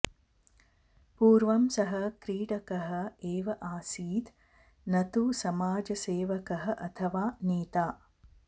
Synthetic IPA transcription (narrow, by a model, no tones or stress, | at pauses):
puːɾʋɐmsɐɦɐkɾiːɽɐkɐɦɐ̆eːʋɐʔaːsiːd̪ | nɐt̪usɐmaːd͡ʒɐseːʋɐkɐɦɐ̆ʔɐt̪ʰɐʋaːniːt̪aː